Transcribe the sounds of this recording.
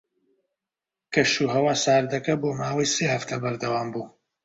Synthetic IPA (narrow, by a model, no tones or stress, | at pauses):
kɐʃuːɦɐwaːsaːɾd̪ɐkɐboːmaːwɐjseːhɐft̪ʰɐbɐɾd̪ɐwaːmbuː